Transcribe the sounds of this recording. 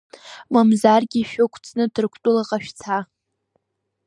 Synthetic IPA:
mamzarɡʲiʃᶣʊkʷʰt͡sʰnɨdɨrkʷʰtʼʊlaqʼaʃᶣt͡sʰa

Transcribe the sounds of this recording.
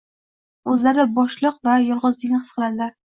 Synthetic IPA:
ɵzlaɾɪd̪abɒʃlˠɨqvajɒlˠʁɨzd̪ɪnɪɨsqʰɨlˠad̪ɪlaɾ

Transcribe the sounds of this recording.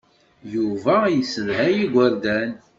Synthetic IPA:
juvæjəsəvhæjiɡʷæɾd̪æn

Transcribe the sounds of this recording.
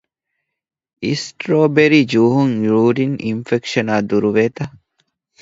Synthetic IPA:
isʈɾoːbeɾid͡ʒuːɦuŋɾuːɾininfekʃɐnaːd̪uɾuʋeːt̪ɐ

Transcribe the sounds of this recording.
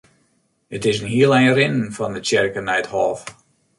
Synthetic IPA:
ətɪsnhiəlˠɛjrɪnnfɔndət͡ʃɪrkənɛjthɔːf

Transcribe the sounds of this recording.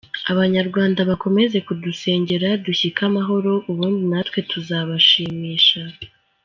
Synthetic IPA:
aβaɲaɾɡwaːndaβako̞me̞ze̞kuduse̞ːɲɟe̞ɾaduçikamaɦo̞ɾo̞ʔuβuːndinatwe̞tʰuzaβaʃiːmiːʃa

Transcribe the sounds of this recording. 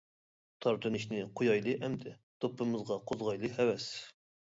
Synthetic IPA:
t̪ʰɑɾt̪ʰɨnɪʃnɪqʰojɑjlˠɨʔɛmd̪ɛ | t̪ʰopʰːɨmɨzʁɑqʰozʁɑjlˠɨɦɛwɛs

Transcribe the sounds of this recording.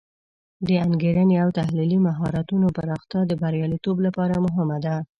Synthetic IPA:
d̪əaŋɡeɾəneawt̪ahlilimaɦɑɾat̪unopaɾɑxt̪jɑd̪əbaɾjɑlit̪oblapɑɾamʊɦɪmad̪a

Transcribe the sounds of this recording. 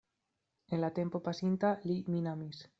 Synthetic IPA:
enlat̪empopasint̪aliminamis

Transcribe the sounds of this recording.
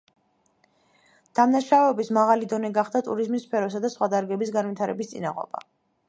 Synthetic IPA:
d̪̥amnaʃavɛːbismaʁalid̪ɔnɛɡaχd̪at̪ʼuɾizmisːpʰɛɾɔs̬ad̪asχwad̪aɾɡɛbisɡanvwit̪ʰaɾɛ̰bist̪sʼḭna̰ʁɔ̰b̥a̰

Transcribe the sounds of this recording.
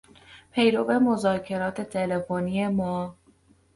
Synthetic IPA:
pʰe̞jɾo̞ve̞mo̞zɒːcʰe̞ɾɒːt̪ʰe̞t̪ʰe̞le̞fonie̞mɒː

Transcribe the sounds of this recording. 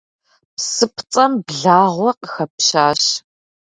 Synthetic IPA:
psɨpʰt͡sʼɐmbɮaːʁʷɔqəxɐpɕaːɕ

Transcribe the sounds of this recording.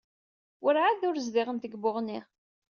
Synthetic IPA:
wʔʊɾʕaðʊɾzðɪʁənt̪əɡbʊʁni

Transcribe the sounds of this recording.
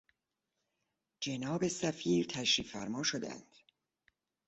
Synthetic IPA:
d͡ʒenɒːbe̞sæfiːɾt̪ʰæʃɾiːfæ̰ɾmɒːʃod̪æ̰nd̪̥

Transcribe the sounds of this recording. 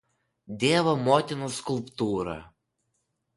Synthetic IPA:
d̪ʲevəmɔt̪ʲɪnəskulˠpt̪uɾə̰

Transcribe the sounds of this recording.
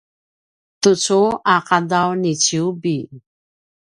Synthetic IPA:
tut͡suaqadawnit͡ɕiubi

